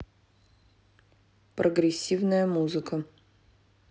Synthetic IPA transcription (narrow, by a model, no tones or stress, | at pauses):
pɾoɡɾʲesʲivnəjəmuzɨkə